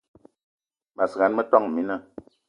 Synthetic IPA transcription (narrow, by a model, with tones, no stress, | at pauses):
ma˨sə˨a˨n˦mə˦tɔ˦ŋ˨mi˨˦na˦˨